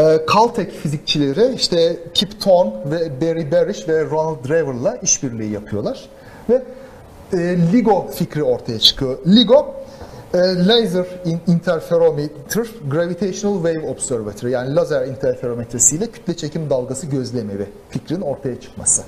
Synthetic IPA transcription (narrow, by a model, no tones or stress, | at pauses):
ɛːkʰalˠt̪ʰɛcfizic̚t͡ʃʰilʲe̞ɾɪiʃt̪ʰɛcʰipt̪ʰonvɛbeɾibeɾiʃvɛɾonalt̪̚d̪ɾajvɯɾlˠaiʃbiɾlʲiːjapʰɯjolˠaɾ̥ | vɛ | ɛːlʲiɡo̞ficɾio̞ɾt̪ʰajat͡ʃʰɯ̥kʰɯlʲiɡo̞ | ɛːlʲejzɯɾiint̪ʰæɾfeɾomet̪ʰɾ̥ɡɾavit̪ʰejʃonalˠvejvobsøɾvat̪ʰɾɯjaːnilʲˠazæɾint̪ʰæɾfeɾo̞met̪ɾesijlʲɛcʰy̥t̪lʲɛt͡ʃʰe̞cʰimd̪alˠɡasɯɟø̞zlʲemebi | ficɾininoɾt̪ʰajat͡ʃʰɯ̥kma̰sɯ̥